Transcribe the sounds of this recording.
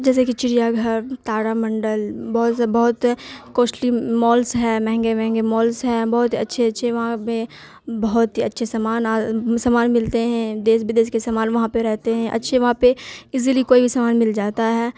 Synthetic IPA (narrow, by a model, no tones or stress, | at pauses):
d͡ʒɛːs̬ekit͡ʃɪɾijaɡʱəɾt̪aːɽamɐ̃ɳɖəlbɐɦt̪bɐɦʊt̪koːsʈlimɔːlsɦɛːmɛ̃ɦɛ̃ŋɡemɛ̃ɦɛ̃ŋɡemɔːlsɦɛːbɐɦʊt̪ɦiɐtːʃʰeɐtːʃʰeʋɐɦãpe | bɐɦʊt̪ɦiɐtːʃʰesɐmaːnaːsɐmaːnmɪlt̪eɦɛ̃d̪eːsbɪd̪eːskesamaːnʋɐɦãpeɾɛɦt̪eɦɛ̃ʔɐ̰tːʃʰeʋɐɦãpeɪzilikoːibʱisɐmaːnmɪld͡ʒaːt̪aɦɛː